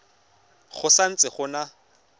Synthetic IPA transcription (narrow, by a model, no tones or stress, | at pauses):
χʊsan̩t͡sʼɪχʊna